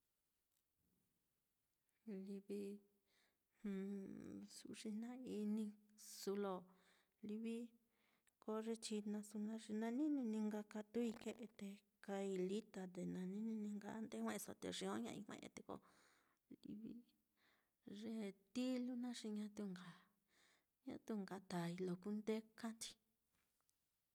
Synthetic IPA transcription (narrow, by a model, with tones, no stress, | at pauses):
li˧βi˧ | hsṵ˧˨ʐi˧nã˦i˧nĩ˧su˧lo˧ | li˧βi˦ | ko˧ʐe˧t͡ʃi˧nã˧su˧nã˧ʐi˧nã˧nĩ˦nĩ˧nĩ˧ŋɡa˧ka˧t̪u˦i˧ke˧ʔe˧t̪e˧ | ka˧i˧li˦t̪a˧t̪e˨nã˧nĩ˦nĩ˧nĩ˧ŋɡa˧˦nd̪ẽ˦ẽ˦˧so̰˧˨t̪ḛ˧ʐĩ˧õ˦ɲã̰˧ḭ˧hʷḛ̃˧ʔt̪e˧ko̰˧ | lḭ˧βḭ˦ | ʐe˧˦t̪i˦lu˦nã˦ʂi˧ɲã˧˦t̪u˧ŋɡa˨ | ɲã̰˧t̪u˧ŋɡa˧t̪a˨i˧lo˨ku˦nd̪e˦ka˦nd̪i̥˧